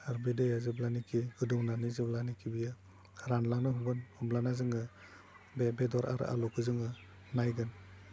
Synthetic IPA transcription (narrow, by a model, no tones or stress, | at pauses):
aɾbedɯjazɯblanikʰiɡɯduŋnanizɯblanikʰibija | ɾanlanɯɦubɯnhɔmblanazɯŋɯ | bebedɔɾa̰ɾ̰a̰lɔkɯzɯŋɯ | najɡɯn